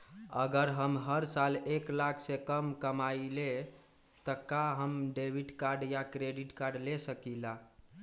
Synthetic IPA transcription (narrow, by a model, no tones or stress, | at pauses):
əɡəɾɦəmɦəɾsaleklakʰsẽkəmkəmaile | t̪əkaɦəmɖebʱiʈkaɾɖjakɾeɖiʈkaɾɖlesəkila